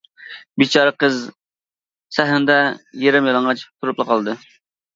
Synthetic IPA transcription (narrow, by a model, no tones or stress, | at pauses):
bit͡ʃʰɑɾəqəz | sæɦɪnd̪ɛjeɾɪmjɑlˠɑŋʁɑt͡ʃt̪ʰuɾuplˠəqʰɑlˠɨd̪ɨ